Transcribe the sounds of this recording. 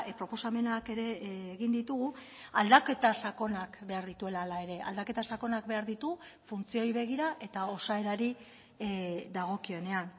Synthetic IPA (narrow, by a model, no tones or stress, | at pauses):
pɾopo̞same̞nake̞ɾe̞ːɣind̪it̪uɣu | ald̪ake̞t̪asako̞nakbe̞aɾðit̪ue̞lalae̞ɾe̞ʔa̰ld̪ake̞t̪asako̞nak̚be̞aɾðit̪u | funt͡sio̞jβe̞ɣ̞iɾaʔe̞t̪ao̞sae̞ɾaɾi | ðaɣ̞o̞kio̞ne̞an